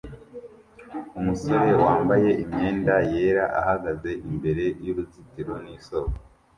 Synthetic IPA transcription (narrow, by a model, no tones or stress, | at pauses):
umuso̞ɾe̞waːmbaje̞ʔimɲe̞ːndaje̞ːɾaʔa̰haɡaze̞ʔimbe̞ɾe̞juɾuzitiɾo̞nisoβo